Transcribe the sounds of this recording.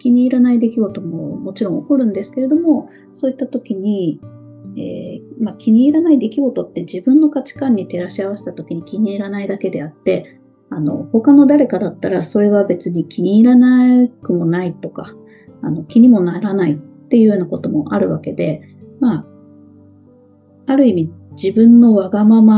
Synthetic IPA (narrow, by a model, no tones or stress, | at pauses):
kʲiɲ̟iːɾanaid̪e̞kʲiɡo̞t̪o̞momo̞t͡ɕiɾõoko̞ɾɯ̟̃nd̪e̞sɨ̥ke̞ɾe̞d̪o̞mo̞ | so̞ːit̪ːat̪o̞kʲiɲ̟i | ḛːmakʲiɲ̟iːɾanaid̪e̞kʲiɡo̞t̪o̞t̪ːe̞d͡ʑibɯ̟̃nːo̞kat͡ɕi̥kãɲ̟ːit̪e̞ɾaɕiaβ̞ase̥t̪at̪o̞kʲiɲ̟ikʲiɲ̟iːɾanaid̪ake̞d̪e̞at̪ːe̞ | ano̞̰ho̞kano̞d̪aɾe̞kad̪at̪ːaɾaso̞ɾe̞β̞abe̞t͡sɨɲ̟ikʲʰiɲ̟iːɾanakɯ̟mo̞nait̪o̞ka | ano̞kʲiɲ̟imo̞naɾanait̪ːe̞jɯ̟joːnako̞t̪o̞mo̞ʔaɾɯ̟βake̞d̪e̞ | ma | aɾɯ̟imʲid͡ʑibɯ̟̃nːo̞βaɡamama